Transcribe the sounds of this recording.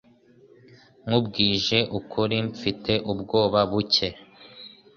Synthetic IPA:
ŋubɡiːʒe̞ʔukʰuɾimfitʰe̞ʔubɡo̞ːβaβuce̞

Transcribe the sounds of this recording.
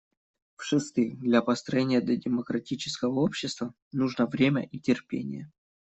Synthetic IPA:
fʂɨst̪ɨjd̪lʲapəst̪ɾɐjenʲɪjəd̪lʲɐdʲɪməkɾɐtʲit͡ɕɪ̥skəvəopɕːɪst̪və | nuʐnəvɾʲemʲə̰ʔitʲɪrpʲḛnʲɪ̰jə

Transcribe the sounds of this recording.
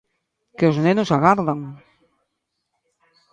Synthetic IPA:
keoznenosaɣaɾðaŋ

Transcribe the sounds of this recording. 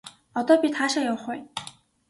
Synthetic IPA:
ɔt̪ɔpʲit̪χaːʃajowχʊj

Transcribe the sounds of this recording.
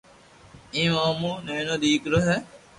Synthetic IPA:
ĩːmaːmũːnenõːd̪iːkɾoɦɛ

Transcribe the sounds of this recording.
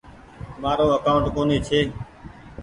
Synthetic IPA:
maːɾoːəkaːʊɳʈkoːneːt͡ʃʰeː

